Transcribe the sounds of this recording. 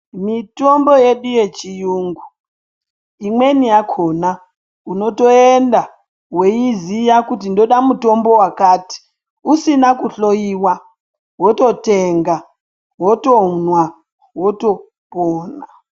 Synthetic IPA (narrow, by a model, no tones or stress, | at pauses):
mitombojeɗujet͡ʃijuːŋɡu | imwenijakʰona | unotoenda | wejizijakutindoɗamutombo̞wakaːti̥ | usinakuɬojiwa | wototeŋɡa | wotounwa | woto | poːna